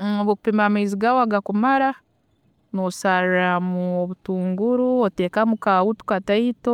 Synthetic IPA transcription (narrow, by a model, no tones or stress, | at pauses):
oβoku̥pemamaiziɡaoaɡakumaɾa | nosaɾɾamuoβutuːŋɡuɾuoteːkamukawutu̥kataito